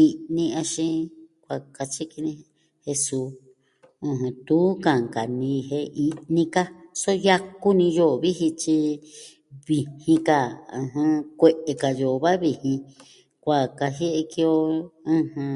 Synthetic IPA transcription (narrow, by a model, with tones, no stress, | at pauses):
i˧nĩ˧a˧ʃĩ˧kʷa˧˨ka˧t͡ʃi˦ki˧nĩ˧ | he˧su˧˦ | ɨ̃˧ɦɨ̃˧t̪u˦kã˨ŋka˨nĩ˧ɦe˧i˧nĩ˧ka˦so˦ja˦ku˦nĩ˧jo˦˨βi˦ɦi˧t͡ʃi˧ | βi˧˨hĩ˧ka˧˨ɨ̰̃˧ɦã˧kʷe˧ʔe˧ka˨jo˨βa˦βi˧hĩ˧ | kʷa˨ka˧ɦje˦ʔe˧ki˧o˧ɨ̃˧hɨ̃˧